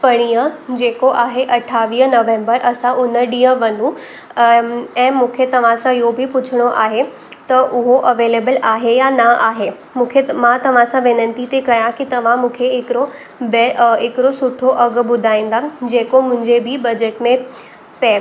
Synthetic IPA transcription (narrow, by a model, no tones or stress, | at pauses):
pɐɽ̃ijəd͡ʑeːkoʔaːɦeʔɐʈʰaːʋiːɦnɐʋẽːmbəɾʔɐsãʔʊnəɖĩːə̃ʋɐnũ | ɛ̃ːmũːkʰet̪ɐʋ̤ãsãɪɦobʱipʊt͡ɕʰɪɽ̃oʔa̰ːɦe | t̪ɐʔʊɦoʔɐʋeːleːbəlaːɦejanaaːɦe | mũːkʰemãt̪ɐʋ̤ãsãʋɪnə̃nt̪it̪ekɐjãkit̪ɐʋ̤ãmũːkʰeɪkɪɾo | beɪkɪɾosʊʈʰoʔɐɡbʊd̪ʱaːĩːn̆d̪ad͡ʑeːkomʊ̃ɦɪ̃ɲd͡ʑebʱibɐd͡ʑeʈmẽ | pɛ